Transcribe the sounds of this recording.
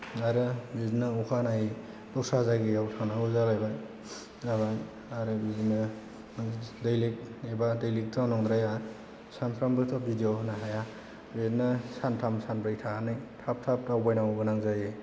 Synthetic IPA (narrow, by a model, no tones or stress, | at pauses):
aɾɯbiznɯukʰanaji | dɔk̚sazaɡijawtʰaŋnaɔzalajbaj | aβa | aɾɯbiznɯ | dajlik̚ebadajlik̚tanɔŋdɾaja | sanpʰɾambɯtʰɔp̚bidijonaɦaja | biznɯsantʰamsanbɾɯjtʰanɯjtʰap̚tʰap̚tawbajnawbɯnaŋzaje